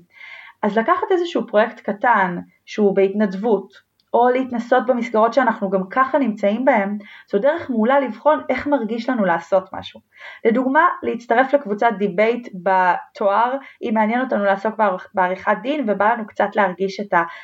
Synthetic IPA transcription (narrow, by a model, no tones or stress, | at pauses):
ʔazlakaχate̞zeʃuupʁoje̞ktkatan | ʃeubeitnadvut | o̞leitnaso̞t̚bemisɡaʁo̞tʃeanaχnuɡamkaχanimt͡saimbae̞mz̥odeʁeχmulalivχo̞nʔe̞χmaʁɡiʃlanuleːso̞tma̰ʃu | leduɡmaleit͡staʁe̞flekvut͡sat̚dibe̞jtbatʰoaʁʔimeanjeno̞tanulaːso̞k̚bebeaʁiχat̚dinve̞balanukt͡satleaʁɡiʃe̞ta